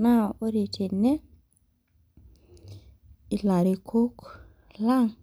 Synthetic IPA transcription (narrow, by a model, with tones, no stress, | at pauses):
na˦˨o˦ɾe˨tʰe˨nːe˦ | i˦la˨ɾe˨kʰo˦k | la˦˨ŋ